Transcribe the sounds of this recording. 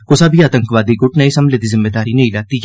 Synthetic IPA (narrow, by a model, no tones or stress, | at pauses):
kʊsabʱiaːt̪ə̃ŋkʋaːd̪iɡʊʈnɐesɐmbled̪izɪmːed̪aːɾinɐĩlɐɡ̚t̪i